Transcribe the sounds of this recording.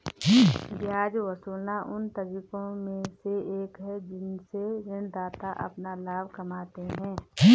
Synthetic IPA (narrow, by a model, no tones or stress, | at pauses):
bjaːd͡ʒwəsuːlnaʔʊnt̪ɐɾiːkõmẽseeːkɦɛd͡ʒɪnseɾɪnd̪aːt̪aʔɐ̰pnalaːbʱkɐmaːt̪eɦɛ̃ː